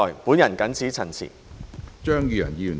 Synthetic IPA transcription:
ɔː˨˩jpuː˨˥njɐ˨˩nkɐ˨˥nt͡sʰiː˨˥t͡sʰɐ˨˩nt͡sʰḭː˨˩t͡ʃœː˥ŋjyː˧jɐ̰˨˩njiː˧˨˩

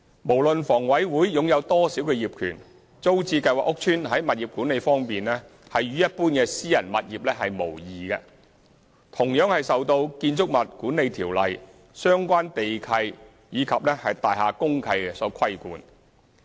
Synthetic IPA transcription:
mo˨˩wlɵ˨nfɔː˨˩ŋwɐ˨˥jwuː˨˥jːʊ˨ŋjɐ˨˧wt̪ɔː˥si˨˥wkɛ˧jiː˨˩p̚kʰyː˨˩n | t͡so˥wt͡siː˧kɐ˧jwaː˨˩ʔʊ˥k̚t͡ʃʰyː˥nɦɐ˨˥jmɐ˨t̚jiː˨p̚kuː˨˥ne˨˧jfɔː˥ŋpiː˨nɛː˥ | hɐ˨jɥyː˨˥jɐ˥t̚puː˥nkɛː˧siː˥jɐ˨˩nmɐ˨t̚jiː˨p̚lɛː˥ɦɐ˨jmo˨˩wjiː˨˩ɡɛ˧ | t̪ʰʊ˨˩ŋjœː˨˥ŋhɐ˨jsɐ˨wt̪o˧wkiː˧nt͡sʊ˥k̚mɐ˨t̚kuː˨˥nːe˨˧jt̪ʰiː˨˩wlɐ˨j | sœː˥ŋkʷaː˥nt̪e˨jkʰɐ˧j | jiː˨˧kʰɐ˨p̚lɛː˥hɐ˨jt̪aː˨jɦaː˨˩kʊ˥ŋkʰɐ˧jɛ˧sɔː˨˥kʰɐ˥jkuː˨˧n

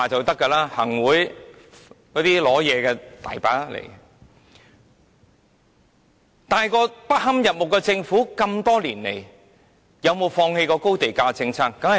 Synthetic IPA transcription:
a˨t͡sɐ˨wt̪ɐ˥kːɐ˧laː˥hɐ̰˨˩ŋwuː˨˥j | kɔː˨˥t̪iː˥lɔː˨˥jɛː˨˧kɛː˧t̪a̰ː˨jpaː˨˥lḛ˨˩j | t̪aː˨˩jkɔː˧pɐ˥t̚hɐ˥mjɐ˨p̚mʊ˨˩kːɛ˧t͡sɪ˧ŋfuː˨˥kɐ˧mt̪ɔː˥liː˨˩nlḛ˨˩j | jɐ˨˧wmo˨˧wfɔː˧ŋhe˧jkɔː˧ko˥wt̪e˨jkaː˧t͡sɪ˧ŋt͡sʰaː˥kːɐ˧˥ŋhɐ˨

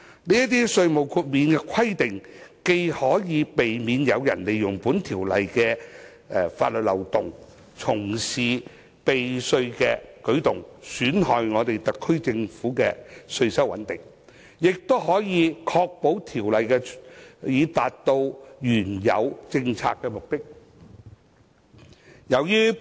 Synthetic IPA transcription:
niː˥jɐ˥t̪̬iː˥sɵ˧ɥmo˨wkʰuː˧t̚miː˨˧nkɛ˧kʰɐ˥jt̪ɪ˨ŋke˧jhɔː˨˥jiː˨˧pe˨jmiː˨njɐ˨˧wjɐ˨˩nle˨jʊ˨˩ŋpuː˨˥nt̪ʰiː˨˩wlɐ̰˨jkɛː˧ | fa̰ː˧t̚lɵ˨t̚lɐ̰˨˩wt̪ʊ˨ŋ | t͡sʰʊ˨˩ŋsiː˨ | pe˨jsɵ˧ɥkɛː˧kɵ˨˥ɥt̪ʊ˨ŋsyː˨˥nɦɔː˨jŋɔː˨˧t̪e˨jt̪ɐ˨t̚kʰːɵ˥ɥt͡sɪ˧ŋfuː˨˥kɛː˧sɵ˧ɥsɐ˥wɐ̰˨˥nt̪ɪ˨˩ŋ | jɪ˨k̚t̪o˥wɦɔː˨˥jiː˨˧kʰɔː˧k̚po˨˥wt̪ʰiː˨˩wlɐ˨jkɛ˧jiː˨˧t̪aː˨t̚t̪o˧wjyː˨˩njɐ̰˨˧wt͡sɪ˧ŋt͡sʰa̰ː˧kːɛ˧mʊ˨k̚t̪ɪ˥k̚ | jɐ˨˧wjyː˥

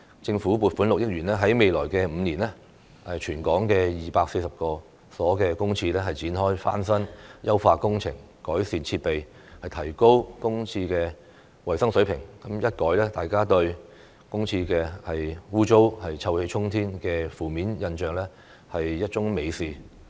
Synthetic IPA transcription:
t͡sɪ˧ŋfuː˨˥puː˨t̚fuː˨˥nlʊ˨k̚jɪ˥k̚jyː˨˩nlɛː˥ɦɐ˨˥jme˨jlɔː˨˩jkɛː˧m̩˨˧niː˨˩nlɛː˥ | ɛ˨t͡ʃʰyː˨˩nkɔː˨˥ŋkɛː˧jiː˨˩paː˧k̚se˧jsɐ˨p̚kɔː˧ | sɔː˨˥kɛː˧kʊ˥ŋt͡sʰiː˧lɛː˥hɐ˨jt͡siː˨˥nɦɔː˥jfa̰ː˥nsɐ˥njʔɐ˥wfaː˧kʊ˥ŋt͡sʰɪ̰˨˩ŋ | kɔː˨˥jsiː˨nt͡sʰiː˧t̚pe˨j | hɐ˨jt̪ʰɐ˨˩jko˥wkʊ˥ŋt͡sʰiː˧kɛː˧ | wɐ˨˩jsɐ˥ŋsɵ˨˥ɥpʰɪ˨˩ŋkɐ˨˦mjɐ˥t̚kɔː˨˥jlɛː˥t̪aː˨˩jkaː˥t̪ɵ˧ɥ | kʊ˥ŋt͡sʰiː˧kɛː˧hɐ˨juː˥t͡ʃo˥whɐ˨jt͡sʰɐ˧whe˧jt͡ʃʰʊ˥ŋt̪ʰiː˥nkɛː˧fuː˨˩miː˨˥njɐ˧nt͡ʃœː˨ŋlɛː˥ | hɐ˨jːɐ˥t̚t͡ʃʊ˥ŋme˨˧jsiː˨

